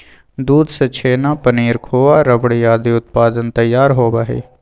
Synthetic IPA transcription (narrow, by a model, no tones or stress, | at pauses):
d̪uːd̪sət͡ʃʰeːnaːpəniːɾkʰoːaːɾəbɽiːjaːd̪iːʊt̪̚paːd̪ənt̪əjːaːɾɦoːbaːɦḛː